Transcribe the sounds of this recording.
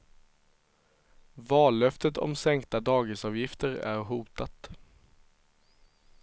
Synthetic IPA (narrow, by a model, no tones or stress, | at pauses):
vɑːlœft̪ət̪ʰɔ̰msɛŋk̚t̪ad̪ɑːɡɪsɑːvjɪft̪əɾæ̰ɾɦuːt̪at̪